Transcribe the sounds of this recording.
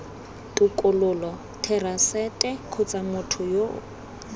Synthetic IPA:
tʼʊkʼʊlʊlɔ | tʰɛrasɛtʼɛkʰʊt͡sʼamʊtʰʊjo

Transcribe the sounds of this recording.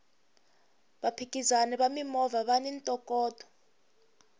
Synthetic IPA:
ɓapʰikʼizanɛɓamimɔvaɓanɛntʼɔkʼɔːtɔ̥

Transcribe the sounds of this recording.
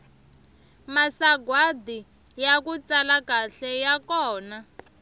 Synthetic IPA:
masaɡwadi | jakut͡salakaɬɛjakɔːna

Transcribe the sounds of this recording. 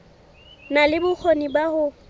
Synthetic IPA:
nalɪbʊk͡xʰonibahʊ

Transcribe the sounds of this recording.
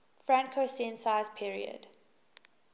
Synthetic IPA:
fɹãŋkʰosɛ̃nsaɪzpʰiɹḭə̰d̥

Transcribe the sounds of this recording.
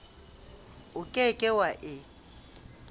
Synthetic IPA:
ʊkʼɛkʼɪwaʔɪ

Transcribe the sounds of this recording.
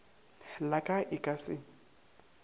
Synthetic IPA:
lakʼaʔɪkʼasɪ

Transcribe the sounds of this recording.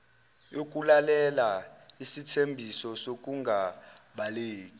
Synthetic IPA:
jok̬ʼulalɛla | isitʰembʱisɔsok̬ʼuŋɡʱa | ɓaleːkʼi

